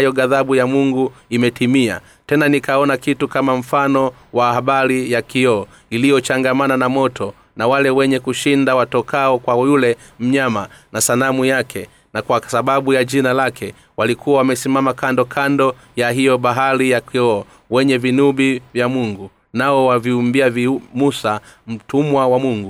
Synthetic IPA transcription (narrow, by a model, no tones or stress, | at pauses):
ajɔɡaðaɓujamuŋɡuimɛtimia̰ | tɛnanikaɔnakitukamam̩fanɔ | wahaɓaɾijakiɔː | ilijɔt͡ʃaŋɡamananamɔtʰɔ | nawalɛwɛɲɛkuʃindawatɔkaɔkwajulɛ | m̩ɲamanasanamujakʰɛ | nakwasaɓaɓujaʄinalakʰɛ | walikʰuawamɛsimamakandɔkʰandɔ | jaɦijɔɓaɦaɾijakiɔː | wɛɲɛvinuɓivjamuŋɡu | naɔwaviumbiavimusam̩tumwawamuŋɡu